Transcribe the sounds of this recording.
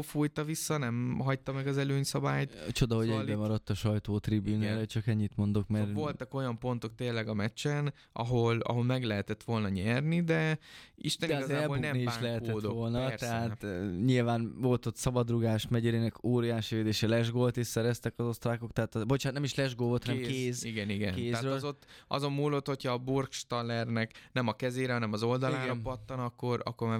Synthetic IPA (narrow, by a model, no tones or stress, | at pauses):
fujt̪ɒvisːɒnɛmɦɒct̪ɒmɛɡɒzɛløːɲsɒbaːjt̪t͡ʃo̞d̪ɒɦo̞ɟɛɛmɒɾɒt̪ːɒʃɒjt̪oːt̪ribyːnaːɾɛt͡ʃɒkɛɲːit̪mo̞nd̪o̞kmɛɾvo̞lt̪ɒko̞jɒmpo̞nt̪o̞k̚t̪eːlːɛɡɒmɛt͡ʃːɛn | ɒ̰ɦo̞lɒ̰ɦo̞lmɛɡlɛɦɛt̪ɛt̪ʋo̞lnɒɲɛrnid̪ɛiʃt̪ɛnd̪ɛiɡɔzaɛbonɛmniibaʃːŋlɛɦɛt̪ɛd̪d̪oʋo̞lnɒt̪ɛɦaːtɲilvaːnvo̞lt̪ot̪sɒbɒd̪ruɡaːʃmɛɟɛɾeːnɛkoːɾijaːʃiveːd̪eːʃɛlɛʒɡolt̪iʃsɛɾɛst̪ɛkɒzo̞st̪ɾaːko̞kt̪ɛɦaːt̪ɒbot͡ʃaːt̪nɛmiʃlɛʒɡoːvot̪hnɛɛmkeːziɡɛniɡɛ̰nk̪eːɛzaːrølzot̪ːʔɒ̰zo̞mːuːlːo̞t̪ho̞chɒːburkʃt̪ɒlːɛrnɛknɛmɒkɛzeːɾɛɦɒnɛmɒzo̞ld̪ɒlaɾɒpɒt̪ːɒnɒkːo̞ɾɒ̰kːorm